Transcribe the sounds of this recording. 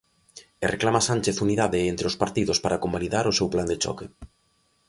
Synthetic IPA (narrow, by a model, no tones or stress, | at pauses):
ereklamasant͡ʃeθuniðaðeent̪ɾeospaɾt̪iðospaɾakombaliðaɾʊsewpland̪et͡ʃɔ̰ke